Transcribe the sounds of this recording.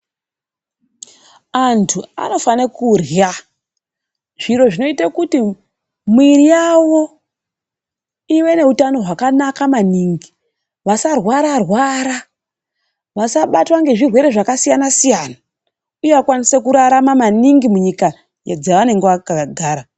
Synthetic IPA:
antʰua̰no̞fanekurja | ʐ̥iɾo̞ʐino̞itakuti | mwiɾijawo̞ | iwe̞ne̞ɦutano̞ɦwakanakamaniŋɡi | ʋasarwaɾarwaːɾa | ʋasaɓatwaŋɡe̞ʐirwe̞ɾe̞ʐakasijanasijana | ujeakwanisekuɾaɾamamaniŋɡimuɲika | jd͡zaʋane̞ŋɡeʋakaɡʱaːɾa

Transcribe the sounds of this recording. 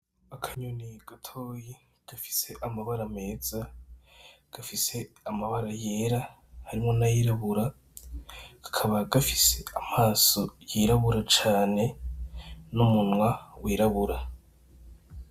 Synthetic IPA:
akʰaɲuniɡ̥atʰoːji | ɡ̥afi̥se̞ʔamaβaɾame̞ːz̥a | ɡ̥afise̞ | amaβaɾaje̞ːɾa | haɾimŋo̞najiɾaβuɾa | ɡ̥ḁkʰaβaɡafise̞amaːso̞jiɾaβuɾat͡ʃaːne̞ | numunŋwawiːɾaβuɾa

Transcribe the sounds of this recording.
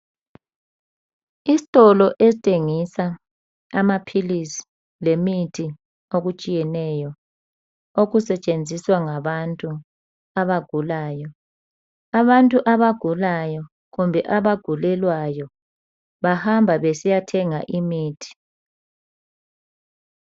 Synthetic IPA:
isitʼɔlɔʔesitʼeŋisa | amapʰilisi̥ | lemitʰi | oɣut͡ʃʼijɛnɛjɔ | oɣusɛt͡ʃʼend͡zʱiswaŋaβantʼu | aβaɡ̥ʱulaːjɔ | aβantʼuʔaβaɡ̥ʱulajɔ | ɣumbʱɛʔaβaɡ̥ʱulɛlwajɔ | βahambʱaβesijatʰɛŋaʔimiːtʰi̥

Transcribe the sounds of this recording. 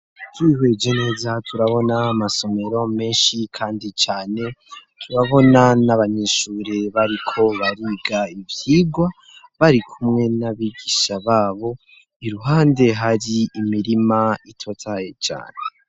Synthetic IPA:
tʰwihwe̞ːd͡ʒene̞ːzatʰuɾaβo̞naːmaso̞me̞ɾo̞me̞ːnʃikʰaːndit͡ʃaːne̞tʰuɾaβo̞nanaβaɲeːʃuːɾeβaɾikʰo̞βaɾiɡaivjiːɡwa | βaɾikʰumŋe̞naβiɡiʃaβaːβo̞ | iɾuɦaːnde̞ɦaɾiːmiɾimaitʰo̞tʰaje̞t͡ʃa̰ːne

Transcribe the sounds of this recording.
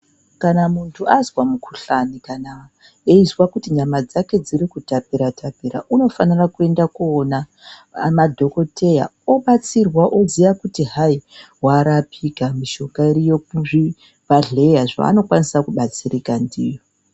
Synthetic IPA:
kanamuntʰuazwamukʰuɬanikana | eizwakutiɲamad͡zake̞d͡ziɾikutapiɾatʰapiɾa̰ʔuno̞fanirakue̞ndakuona | madʱo̞ko̞tʰe̞ja̰o̞ɓat͡sirwaʔozijakutiɦai | waɾapʰikamiʃo̞kaiɾijok̚uʐi | baɮe̞jaʐa̰ːno̞kwanisakuɓat͡sirikandiːjo̞

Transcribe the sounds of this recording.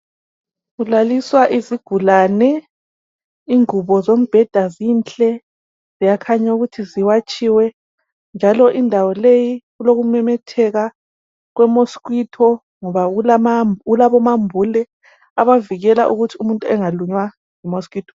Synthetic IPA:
ɣulaliswaʔiziɡ̥ʱulanɛ | iŋuβɔzom̩b̥ʱɛd̥ʱaziːnt͡ɬʼɛ | z̥ijakʰaɲauɣutʰiziwat͡ʃʼiwɛ | nd͡ʒʱalɔʔindʱawɔlejiɣuloɣumɛmɛtʰɛɣa | ɣwɛmoskʼwitʰɔ | ŋɔβaulamɣulaβɔmambʱulɛ | aβaviɣɛla̰ʔuɣutʰiumuntʼuɛŋaluɲwa | jimɔskwiːtʰɔ̥

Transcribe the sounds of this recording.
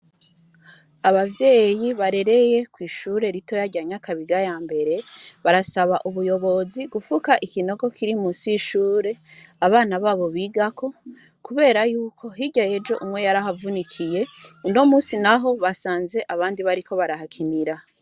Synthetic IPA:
aβavje̞ːjiβaɾe̞ɾe̞je̞kwiːʃuɾe̞ɾito̞jaɟaɲakʰaβiɡajaːmbe̞ɾe̞βaɾasaβaʔuβujo̞βo̞ziɡufukaʔikino̞ɡo̞kiɾimusiʃuːɾe̞aβaːnaβaβo̞βiːɡakʰo̞ | kuβe̞ːɾajuːkʰo̞ɦiɟajed͡ʒo̞̰ʔumwe̞jaɾaɦavunikʰije̞uno̞muːnsinaɦo̞βasaːnze̞ʔaβaːndiβaɾikʰo̞βaɾaɦakʰiniɾa

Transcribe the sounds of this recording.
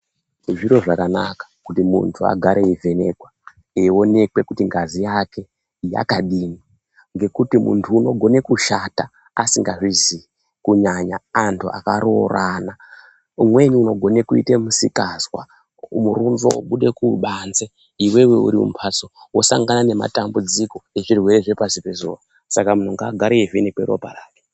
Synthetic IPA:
ʐiɾo̞ʐakana̰kḁkutimṵntʰua̰ɡʱaɾeivʱe̞ne̞kwa | o̞ne̞kwe̞kutiŋɡazijake̞ | ija̰kaɗini | ŋɡe̞kutimṵntʰuːno̞ɡʱo̞ne̞kuʃata | asiŋɡaʐizi | kuɲaɲaːntʰuʔa̰kaɾo̞̰rana | umwe̞niuno̞ɡʱo̞ne̞kuḭtemusikaswa̰ | muɾunzo̰oɓuɗe̞kuɓanze | iwe̞we̞ṵɾiṵmpʰat͡sowo̞sa̰ŋɡanane̞ma̰tambud͡ziko̞e̞ʐirwe̞ɾe̞ʐe̞pasipe̞zo̰ːa | sakamun̤uŋɡaɡʱaɾievenikweɾo̞̰pa̰raːke̥

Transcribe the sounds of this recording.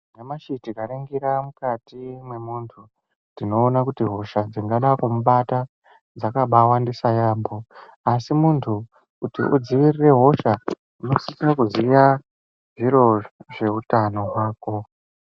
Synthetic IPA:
nemaʃitikaɾeŋɡiɾamukatimwe̞muːntʰu | ndino̞ːnakutiɦo̞ʃad͡ziŋɡaɗakumuɓata | d͡zakaɓawandisajaːmbo̞ | asimuntʰu | utḭʔud͡ziʋirire̞ɦo̞ʃa | uno̞sikrakuzija | ʐiɾo̞ʐe̞utano̞ɦwaːko̞

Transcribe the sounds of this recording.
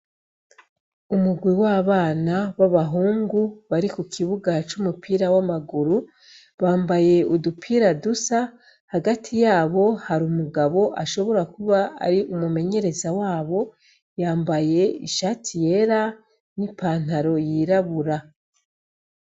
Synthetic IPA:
umuɡwiwaːβaːnaβaβaɦuːŋɡuβaɾikukʰiβuɡat͡ʃumupʰiːɾawamaɡuɾu | βaːmbaje̞udupʰiːɾadusa | haɡatʰijaːβo̞haɾumuɡaβo̞ʔaʃo̞βo̞ɾakuβaa̰ɾiʔumume̞ɲe̞ɾe̞zawaːβo̞ | jaːmbaje̞ḭʃaːtʰije̞ɾa | nipaːn̥haɾo̞jiːɾaβuɾa

